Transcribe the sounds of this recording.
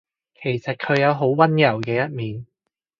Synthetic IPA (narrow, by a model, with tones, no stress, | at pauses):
kʰe˨˩jsɐ˨t̚kʰɵ˨˧ɥjɐ˨˧wɦo˨˥wwɐ˥njɐ˨˩wkɛː˧jɐ˥t̚miː˨n